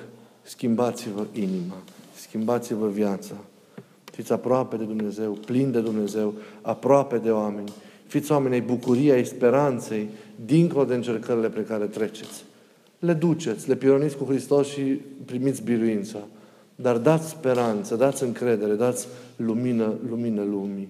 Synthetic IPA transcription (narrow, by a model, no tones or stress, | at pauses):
skʲimbat̪sivəʔinimaskʲimbat̪sivəvjat̪sa | fit̪sʲapɾoape̞d̪e̞d̪umne̞ze̞wplind̪e̞d̪umne̞ze̞wapɾoape̞d̪e̞oame̞nʲfit̪sʲoamenʲajbukuɾijeajspe̞ɾant̪se̞jd̪iŋkolo̞d̪e̞ɨnt͡ʃe̞rkəɾile̞pɾikaɾe̞t̪ɾe̞t͡ʃe̞t̪sʲ | le̞d̪ut͡ʃe̞t̪sʲle̞piɾonit̪sʲkuxɾist̪o̞sʃipɾimit̪sʲbiɾuint̪sa | d̪ard̪at̪sʲspe̞ɾant̪səd̪at̪sʲɨŋkɾe̞d̪e̞ɾe̞d̪at̪sʲluminəluminəlumʲi